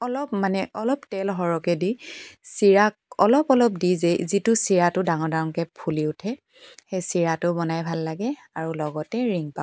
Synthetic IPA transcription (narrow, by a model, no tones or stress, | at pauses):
ɔlɔpmanɛʔɔlɔptɛlɦɔɹɔkɛdisiɹakɔlɔpɔlɔp̚dizɛzitʊsiɹatʊdaŋɔɹdawŋkɛpʰuliʊtʰɛ | xejsiɹatʊbɔnajbʱalːaɡɛ | aɹulɔɡɔtɛɹiŋpa